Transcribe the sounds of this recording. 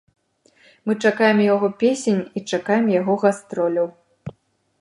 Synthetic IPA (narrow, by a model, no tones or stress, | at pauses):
mɨt͡ʂakajɛmjaɣɔpʲesʲenʲit͡ʂakajɛmjaɣɔɣast̪ɾɔlʲɐw